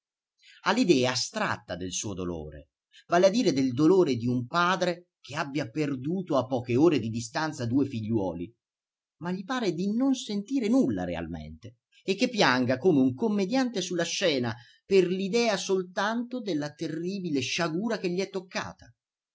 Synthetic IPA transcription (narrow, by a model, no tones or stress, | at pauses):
alːid̪ɛːaːst̪ɾa̰t̪ːad̪elsuːod̪o̰lo̰ːɾḛ | vaːlead̪ːiːɾed̪eld̪oloːɾed̪iumpaːd̪ɾe | k̟eabːjaperd̪uːt̪oapːɔːkeoːɾed̪id̪ist̪ant̪sad̪uːefiʎːwɔ̰ːli | maʎːipaːɾed̪inonsent̪iːɾenulːa̰ɾḛa̰lmḛnt̪e | ekːepːjaŋɡakoːmeuŋkomːed̪jant̪esulːaʃːɛːna | perlid̪ɛːasolt̪ant̪od̪elːat̪erːiːbileʃaɡuːɾakeʎːiɛt̪ːokːa̰ːt̪ḁ